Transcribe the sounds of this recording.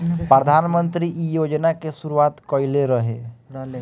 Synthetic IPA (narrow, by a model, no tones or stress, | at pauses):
pɾəd̪ʱanmənt̪ɾiʔijod͡ʒnakesuɾuat̪kɔileɾəɦḛ